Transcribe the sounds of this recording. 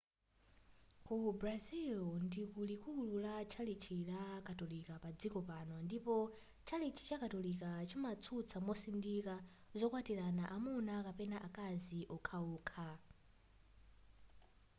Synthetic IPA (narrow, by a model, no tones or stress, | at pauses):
kubɾazilndikulikululat͡ʃʰalit͡ʃʰilakʰatɔlikapad͡zikɔpanɔndipɔ | t͡ʃʰalit͡ʃʰi̥t͡ʃakatɔlikat͡ʃʰimat͡sʰut͡sʰamɔsindika | zʷɔkwatiɾanaʔamunakapɛnaʔakaziʔɔkʰauːkʰa